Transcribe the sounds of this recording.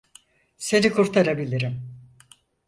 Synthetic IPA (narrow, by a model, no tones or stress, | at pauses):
se̞nikʰuɾt̪ʰaɾabilʲiɾim